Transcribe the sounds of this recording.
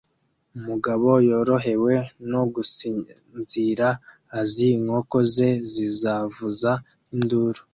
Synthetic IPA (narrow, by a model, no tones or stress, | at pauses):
umuɡaβo̞jo̞ɾo̞ɦe̞we̞noɡusi | nziɾaː | ziŋho̞ko̞ze̞zizavuza | induːɾo